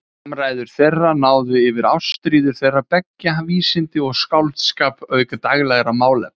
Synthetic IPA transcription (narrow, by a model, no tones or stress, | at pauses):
amraːjðʏɾ̥θejrːanaːwðɪɪvɪɾawst̪ɾiːðʏɾ̥θejrːapɛcːaviːsɪnt̪ɪɔɣskawlt̪skaːpœːɥkʏt̪aɣlɛːɣɾamaːwlɛ̰